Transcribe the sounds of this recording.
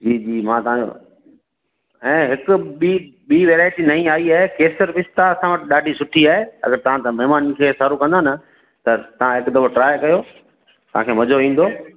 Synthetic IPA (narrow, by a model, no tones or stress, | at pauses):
d͡ʑiːd͡ʑiːmãːt̪ɐʋ̤ão̰ | ɛ̃ːɦɪkʊ̆ɓiɓiːʋeːɾaːɪʈinɐĩaːiaːɦekeːsəɾpɪst̪aɐsãʋɐʈɪɗaːɖʱisʊʈʰiaːɦeɐ̰ɡəɾt̪ɐʋ̤ãt̪ãmɐɦɪmaːnkʰeːsaːɾukɐ̃nd̪ʱanɐ | t̪ɐt̪ɐʋ̤ãɦɪkd̪ɐboʈɾaːjkɐjoː | t̪ɐʋ̤ãkʰeːmɐd͡ʑoʋĩːn̆d̪oː